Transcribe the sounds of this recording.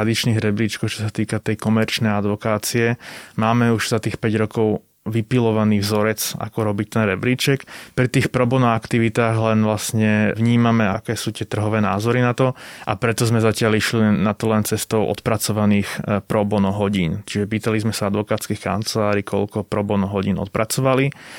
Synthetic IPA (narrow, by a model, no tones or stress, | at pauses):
ad̪it͡ʃniːɣɾɛbɾiːt͡ʃkɔʊt͡ʃɔ̥sat̪iːkat̪ɛjkɔmɛɾt͡ʃnɛjad̪ʋɔkaːt͡siɛmaːmɛuʒzat̪iːxpɛɟɾɔkɔʊ | ʋipilɔʋaniːvzɔɾɛt͡sa̰kɔɾɔbict̪ɛnɾɛbɾiːt͡ʃɛkpɾit̪iːxpɾɔbɔnɔakt̪iʋit̪aːɣlɛnʋlasɲɛʋɲiːmamɛaakɛːsuːt̪ɪɛt̪r̩ɦɔʋɛːna̰ːzɔɾinat̪ɔʔa̰pɾɛt̪ɔzmɛzacɪaliʃliinat̪ɔlɛnt͡sɛst̪ɔʊʔɔ̰t̪pɾat͡sɔʋaniːxpɾɔbɔnɔɦɔɟiːnt͡ʃiʒɛpiːt̪alizmɛsaad̪ʋɔkaːt̪t͡skixka̰nt͡sɛlaːɾikʰɔ̰lkɔpɾɔbɔnɔɦɔɟiːnɔ̰t̪̚pɾat͡sɔʋali